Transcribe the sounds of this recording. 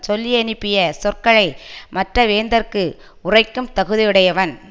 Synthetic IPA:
sɔlːiɐnɪpːɪjɐsɔrkɐɭɐɪmɐʈrɐʋeːnd̪ɐɾkɯ | ʊrɐɪkːɯmt̪ɐɣɯðɪjɯɽɐjɐʋɐn

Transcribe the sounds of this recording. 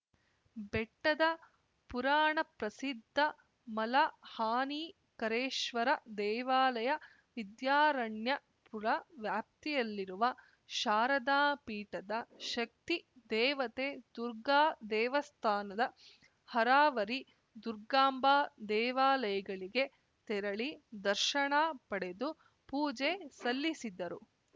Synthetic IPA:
bɛʈːɐd̪ɐ | puɾaːɳɐpɾɐsid̪ʱːɐ | mɐlɐhaːniː | kɐɾeːʃʋɐɾɐd̪ɛːʋaːlɐjɐ | ʋid̪jaːɾɐɳjɐ | puɾɐʋjaːp̚t̪ijɐlːiɾuʋɐ | ʃaːɾɐd̪aːpiːʈɐd̪ɐʃɐk̚t̪id̪ɛːʋɐt̪eːd̪uɾɡaːd̪ɛːʋɐst̪ʰaːnɐd̪ɐ | hɐɾaːʋɐɾi | d̪uɾɡaːmbaːd̪ɛːʋaːlɐjɐɡɐɭiɡe̞ | t̪ɛɾɐɭid̪ɐɾʃɐɳaːpɐɽe̞d̪u | puːd͡ʒesɐlːisid̪ːɐɾu

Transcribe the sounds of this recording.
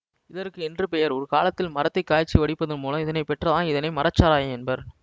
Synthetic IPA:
ɪðɐɾkːɯɛndrɯpɛjɐɾɔɾɯkaːlɐt̪ːɪlmɐɾɐt̪ːɐɪkːaːjt͡ʃːiʋɐɽɪpːɐðɯnpoːlɐ̃mɪðɐnɐɪpːɛʈrɐðãːnɪðɐnɐɪmɐɾɐt͡ʃːaːɾaːjɐɛnbɐɾ

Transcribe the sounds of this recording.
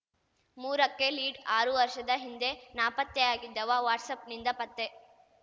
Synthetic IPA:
muːɾɐkːe̞liːɖaːɾuʋɐɾʃɐd̪ɐɦind̪e̞naːpɐt̪ːjeaːɡid̪ːɐʋɐʋaːʈsɐpnind̪ɐpɐt̪ːe

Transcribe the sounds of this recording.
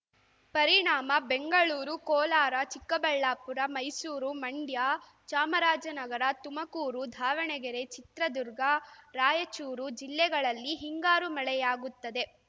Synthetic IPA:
pɐɾiɳaːmɐbe̞ŋɡɐɭuːɾukɔːlaːɾɐt͡ʃikːɐbɐɭːaːpuɾɐmɐjsuːɾumɐɳɖjaː | t͡ʃaːmɐɾaːd͡ʒɐnɐɡɐɾɐt̪umɐkuːɾud̪ʱaːʋɐɳɛɡɛɾe̞t͡ʃit̪ɾɐd̪uɾɡɐɾaːjɐt͡ʃuːɾud͡ʒilːɛɡɐɭɐlːiɦiŋɡaːɾumɐɭɛjaːɡut̪ːɐd̪e̞

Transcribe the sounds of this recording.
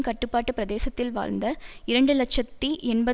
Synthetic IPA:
kɐʈːɯpːaːʈːɯpɪɾɐd̪eːsɐt̪ːɪlʋa̰ːlnd̪ɐɪɾɐɳɖɯlɐkʂɐt̪ːiʔɛɳbɐ

